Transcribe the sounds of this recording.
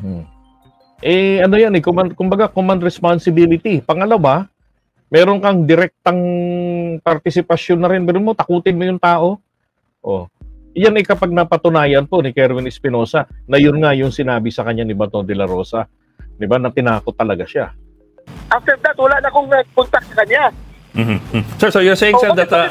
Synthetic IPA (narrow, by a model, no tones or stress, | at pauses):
ʔɛʔɐno̞janɛkomɐnd̪̚kʊmbɐɡakomɐnd̪ɾɛspansɪbiːlɪt̪ipɐŋɐlɐwa | mɛːɾoŋkɐŋd̪ɪɾɛk̚t̪ɐŋ | pɐɾt̪ɪsɪpɐʃjonːɐɾɪnbɛɾɪnmot̪ɐkuːt̪ɪnmojʊŋt̪aːʔo̞ | ʔo̰janɪkɐpaɡ̚nɐpɐt̪ʊnaːjɐnpo̞nɪkɛɾvɪnɪspɪno̞ːsɐnɐjʊnŋajʊŋsɪnaːbɪsɐkɐɲːanɪbɐt̪od̪ɛlɐɾo̞ːsɐ | d̪ɪbanɐt̪ɪnaːkot̪ːɐlɐɡaʃa | ʔaft̪ɛɾd̪at̪wɐlanɐkoŋɐpʊnt̪ak̚sɐkɐɲːa | m̩ːmm̩sɛɹsojʊsɛjɪsɛd̪ɐt̪